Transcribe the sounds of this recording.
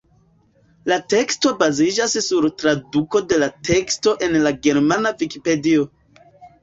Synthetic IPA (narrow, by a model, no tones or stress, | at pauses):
late̞ksto̞bazid͡ʒassuɾtɾaduko̞de̞latʰe̞ksto̞ʔe̞nlaɡe̞ɾmanavikipe̞dio̞